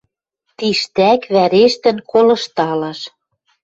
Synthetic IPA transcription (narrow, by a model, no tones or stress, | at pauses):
t̪iʃt̪ækβæɾeʃt̪ɘ̆nkolɤ̆ʃt̪ɑlɑʃ